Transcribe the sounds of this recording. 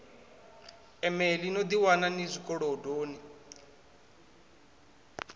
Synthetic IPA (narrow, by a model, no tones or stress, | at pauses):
ɛmɛlinod̪iwananizʷikʼɔɺɔdoːni